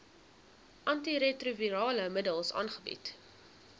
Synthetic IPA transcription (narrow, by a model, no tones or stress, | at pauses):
ʔɐntiɾetruviɾɑːləmədəlˠsɑ̰ːnχəbḭt